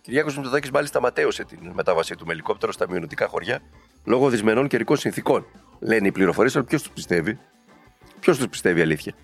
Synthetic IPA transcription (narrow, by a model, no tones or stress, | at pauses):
ciɾʝɐkosmit̪oðɐcizmɐlist̪ɐmɐt̪e̞use̞t̪inme̞t̪ɐvɐsit̪ume̞liko̞p̚t̪e̞ɾo̞st̪ɐmionot̪ikɐxo̞ɾʝɐ | lo̞ɣoðizme̞no̞ɲceɾiko̞nsĩnθiko̞n | le̞niipliɾo̞fo̞ɾiesɐlopço̞st̪u̥pi̥st̪e̞vi | pço̞st̪uspi̥st̪e̞viɐliθçɐ